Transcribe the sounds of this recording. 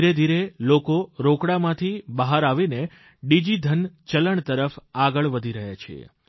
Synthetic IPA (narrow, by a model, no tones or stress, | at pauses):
ɾed̪ʱiɾelokoɾokɽamãt̪ʰibəɦaɾaʋine | ɖid͡ʒid̪ʱənt͡ʃələɳt̪əɾəfaɡəɭʋəd̪ʱiɾəɦjat͡ʃʰḛ